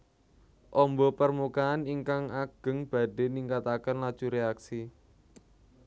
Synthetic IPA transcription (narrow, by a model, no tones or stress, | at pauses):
ʔɔmbɔpərmukaːniŋkaŋaɡ̥ə̤ŋb̥a̤ɖe̤niŋkat̪akənlad̥ʒ̥uɾeaksi